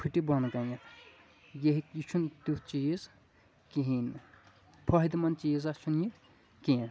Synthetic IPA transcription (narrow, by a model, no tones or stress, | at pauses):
pʰiʈibɐnɡɐjɐ | jeɦikit͡ʃʰunt̪ut͡ʃiːz | kiɦin | pʰɐɦid̪mɐnt͡ʃiːzɐt͡ʃʰunji | ken